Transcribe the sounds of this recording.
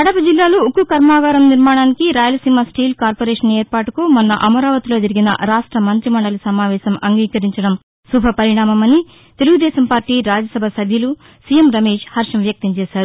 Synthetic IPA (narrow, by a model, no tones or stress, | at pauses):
kɐɽɐpɐd͡ʒilːaːloukukɐɾmaːɡaːɾɐmniɾmaːɳaːnikiɾaːjɐlɐsimɐsʈiːlkaːɾpoːɾeːʂɐneːɾpaːʈukumɐnːɐ̰ʔɐmɐɾaːʋɐt̪ilo̞ːd͡ʒɐɾiɡinɐ̰ɾaːʂʈɾɐmɐnt̪ɾimɐɳɖɐlusɐmaːʋɛːʃɐmɐŋɡiːkɐɾiɲt͡ʃɐɽɐm | subʱɐpɐɾiɳaːmɐmɐni | t̪eluɡud̪ɛːsɐmpaːɾʈiːɾaːd͡ʒɐsɐbʱɐsɐbʱjɐlu | sijemɾɐmeːʂhɐɾʂɐmʋjɐk̚t̪ɐmt͡ʃeːʃaːɾu